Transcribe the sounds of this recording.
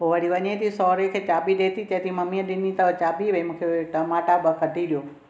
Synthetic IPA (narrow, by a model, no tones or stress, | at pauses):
oʋaɽiʋəɲet̪ʰisɔɾekʰet͡ʃaːbiɗet̪iːt̪ẽt̪iməmiəɗɪnːit̪əʋt͡ʃaːbiʋemũkʰeʈəmaʈabəkəɖʱiɗjoː